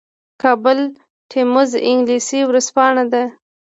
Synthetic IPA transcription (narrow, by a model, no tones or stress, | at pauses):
kɑbʊl | ʈʰemʊzɪŋɡlisiwɾaspɑɳad̪a